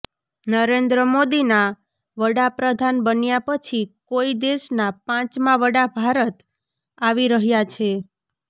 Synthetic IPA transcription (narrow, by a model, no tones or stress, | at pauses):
nəɾend̪ɾəmod̪ina | ʋəɽapɾəd̪ʱanbənjapət͡ʃʰikoid̪eʃnapãt͡ʃmãʋəɽabʱaɾət̪ | aʋiɾəɦjat͡ʃʰe